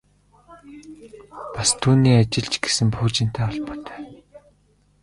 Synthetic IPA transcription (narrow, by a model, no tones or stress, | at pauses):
past̪ʰuːniːat͡ɕɪ̆ɮt͡ɕɡesɘ̆mpʰuːkt͡ɕɪ̆n̥t̪ʰæːɔɮpɔ̥ːt̪œ̥ː